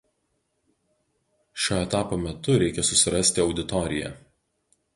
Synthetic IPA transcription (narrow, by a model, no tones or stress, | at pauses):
ʃʲoːɛt̪ɑːpoːmʲɛt̪ʊɾʲɛɪkʲɛsʊsʲɪɾɐsʲt̪ʲɪɒʊd̪ʲɪt̪ɔɾʲɪjɛ̰